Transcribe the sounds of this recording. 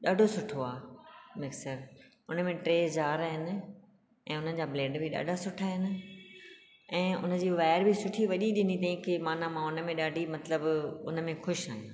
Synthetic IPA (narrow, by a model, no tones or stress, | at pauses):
ɗaːɖʱosʊʈʰoaːmɪksəɾ | ʊnəmẽʈɾeːd͡ʑaːɾaːɦɪnɪ̆ | ɛ̃ːʊnəd͡ʑaːbleːɖbʱɪɗa̰ːɖʱasʊʈʰaɦɪnɪ̆ | ɛ̃ːʊ̰nə̆d͡ʑiːʋaːɾbʱɪsʊʈʰiʋɐʄiɗɪnit̪ʰɐĩkɪmaːnamãʊnə̆mẽɗaːɖʱimɐt̪ləbʊnə̆mẽxʊʃaːɦijã̰ː